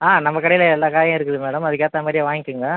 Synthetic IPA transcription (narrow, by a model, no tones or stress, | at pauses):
aːnɐmːɐkɐɽɐjɪlɐɛlːaːkaːjɐ̃ɪɾɯkːɯðɯmeːɽɐmɐðɯk̬ːeːt̪ːaːmaːdɾijʋaːŋɡɪkːɯŋɡɐ